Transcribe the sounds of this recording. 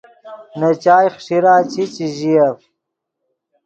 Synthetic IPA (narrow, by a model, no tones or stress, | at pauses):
nɐt͡ɕaːjχʂiɾaːt͡ɕit͡ɕiʑijɐf